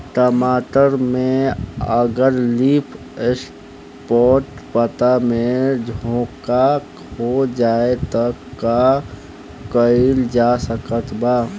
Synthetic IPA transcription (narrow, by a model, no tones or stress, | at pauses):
ʈɔmaːʈəɾmẽəɡəɾliːpʰ | es | pɔːʈpət̪amẽd͡ʒʱoõːka | ɦod͡ʒaːet̪əkːa | kəɪild͡ʒaːsəkət̪ʰbaː